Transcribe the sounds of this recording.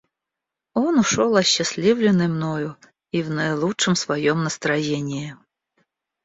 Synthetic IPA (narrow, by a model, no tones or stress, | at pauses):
ɔnuʂɔlˠɐɕːasʲlʲivlʲɪnːɨjmnɔjʊ | ivnɐjlˠut͡ʂɨmsvɐjɔmnəst̪ɾɐjenʲɪjɪ